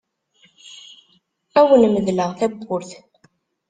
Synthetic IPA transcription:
æwənməðləʁθæbːʊɾθ

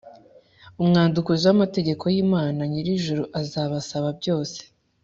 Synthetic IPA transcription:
umŋaːndukuziwamate̞ɟe̞ko̞jiːmaːnaɲiɾiʒuɾuʔazaːβasaβab̚ɟo̞ːse̥

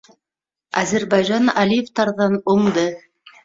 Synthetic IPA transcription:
æzɘɾbɑjʒɑnɑlʲijeft̪ɑɾðɑnŏɴd̪ɤ

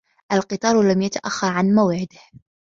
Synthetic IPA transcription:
ʔalqɨt̪ˤɑːɾˤlamjat̪aʔaxːɑɾˤʕanmawʕɪd̪ɪh

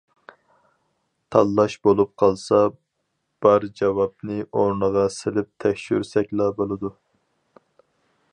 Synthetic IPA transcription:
t̪ʰɑlˠːɑʃbolˠup̚qʰɑlˠsɑ | b̥ɑɾd͡ʒɑvɑp̚nɨʔoɾnəʁɑsɪlɪp̚t̪ʰɛkʲʃy̰ɾsɛkʲlˠɑbolˠɨd̪u

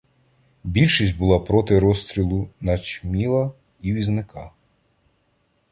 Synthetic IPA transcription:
bʲilʲʃisʲtʲbʊlˠɑpɾɔt̪ɪɾɔst̪ɾʲilˠʊnɐt͡ʃmʲilˠɐ | iʋʲiznɪkɑ

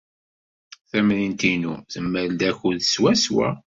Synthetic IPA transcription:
θæmlint̪inuθəmːəɾd̪æçuðswæswæ̰

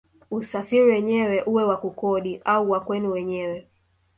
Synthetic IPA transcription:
usafiɾiwɛɲɛwɛʔuwɛwakukɔɗiʔauwakwɛnuwɛɲɛwɛ

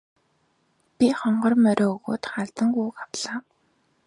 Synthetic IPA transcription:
pʲiχɔɴɢɞ̆rmœɾʲɔːɣo̰ːt̪χaɮt̪ə̆ŋɡuːkawɮaː

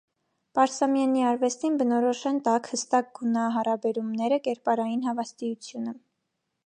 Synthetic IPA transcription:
pɑɾsɑmjɑniɑɾvɛst̪inbənɔɾɔʃɛnt̪ɑkhəst̪ɑk̚ɡunɑɦɑɾɑbɛɾumnɛɾəkɛɾpɑɾɑjinɦɑvɑst̪ijut͡sʰjunə

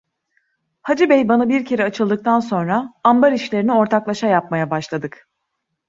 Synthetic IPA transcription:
had͡ʒɯbɛjbanabiɾcʰe̞ɾɛat͡ʃʰɯlˠd̪ɯk̚t̪ʰanso̞nɾaambaɾiʃlʲe̞ɾinio̞ɾt̪ʰaklˠaʃajap̚majabaʃlˠad̪ɯk

